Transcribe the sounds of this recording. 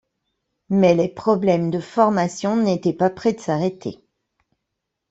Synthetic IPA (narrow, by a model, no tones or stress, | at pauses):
mɛlɛpχɔblɛmd̪əfɔʁmasjɔ̃net̪ɛpapχɛd̪əsaʁet̪ʰḛ